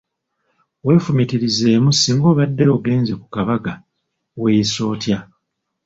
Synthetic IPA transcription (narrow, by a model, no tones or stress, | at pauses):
we̞ːfumitiɾize̞ːmusiːŋɡo̞ːβadːe̞o̞ːɡe̞ːnze̞ku̥kaβaɡa | we̞ːjiso̞ːtja